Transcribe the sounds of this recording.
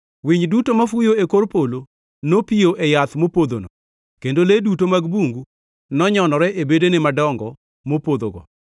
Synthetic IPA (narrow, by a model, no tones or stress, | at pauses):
wiɲdutomafujoekoɾpolo | nopijoʔɛjat̪mopod̪o̰no̰ | kendoledutomaɡbuŋɡu | nɔɲɔnɔɾɛʔebedenɪmadɔŋɡɔ | mopod̪o̰ɡɔ̰